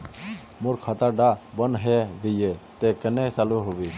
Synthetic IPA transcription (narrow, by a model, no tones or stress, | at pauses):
mʊɾkʰat̪aɖabənɦeɡəiet̪ekənet͡ʃaluɦobiː